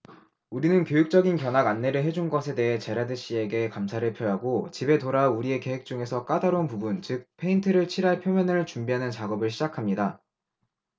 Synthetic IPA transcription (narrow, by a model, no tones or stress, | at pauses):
uɾinɯnkjojuk̚t͡ɕ͈ʌɡinkjʌnaɡanːe̞ɾɯɭɦe̞d͡ʑunɡʌsʰe̞de̞ɦe̞t͡ɕe̞ɾadɯɕ͈ie̞ɡe̞kamsʰaɾɯɭpʰjoɦaɡot͡ɕibe̞toɾauɾie̞ke̞he̞k̚t͡ɕ͈uŋe̞sʰʌk͈adaɾonpubunt͡ɕɯk̚pʰe̞intʰɯɾɯɭt͡ɕʰiɾɦaɭpʰjomjʌnɯɭt͡ɕumbiɦanɯnt͡ɕaɡʌbɯɭɕ̬ʰid͡ʑakʰamɲida